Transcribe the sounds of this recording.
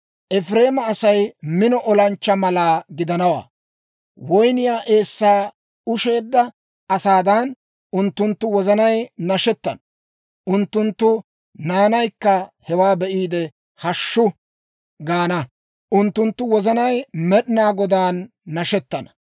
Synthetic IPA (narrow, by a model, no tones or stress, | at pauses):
ʔɛfɾe̞ːmɐːsɐjmɪnɔʔɔlɐnt͡ʃːɐmɐlaːɡɪd̪ɐnɐwa̰ː | wɔjnɪjaːʔe̞ːsːaː | ʊʃe̞ːd̪ːɐ | ɐsaːd̪ɐn | ʔʊnt̪ːʊnt̪ːʊwɔzɐnɐjnɐʃɛt̪ːɐ̰n | ʔʊnt̪ːʊnt̪ːʊ | naːnɐjkːɐhɛwaːbɛʔiːd̪ɛ | hɐʃːʊ | ɡaːnɐ | ʔʊnt̪ːʊnt̪ːʊwɔzɐnɐjmɛɗɪnaːɡɔd̪aːnː | ɐʃɛt̪ːɐnɐ̥